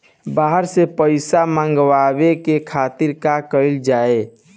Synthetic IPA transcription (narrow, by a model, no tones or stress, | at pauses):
baɦəɾsepəɪsamãŋɡwabekekʰat̪iɾkakəld͡ʒae